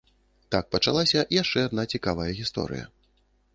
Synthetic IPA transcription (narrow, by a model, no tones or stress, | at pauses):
t̪ak̚pɐt͡ʂalˠasʲɐʔjaʂt͡ʂɛad̪nat͡sʲikavɐjɐɣʲist̪ɔ̰ɾɨ̰jɐ̰